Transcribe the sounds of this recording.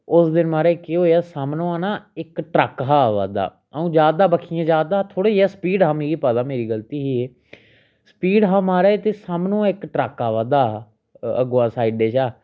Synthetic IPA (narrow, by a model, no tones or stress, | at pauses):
ʊsd̪ɪnmaːɾeːkeɦoːaːsaːmnõːaːnãːɪkʈɾəkɦaːʋa̰ːd̪a̰ː | əũːd͡ʒaːd̪aːbəkʰiːjãːd͡ʒaːd̪aːt̪ʰoːɽeːaːsəpiːɖɦãːmĩːɡiːpəːd̪aːmeːɾiːɡəlt̪iːɦiːeː | sə̥piːɖɦãːmaːɾeːt̪eːsaːmnõːɪkʈɾəkaːʋãːd̪aː | ə̰ɡãːsaːiɖeːt͡ʃaː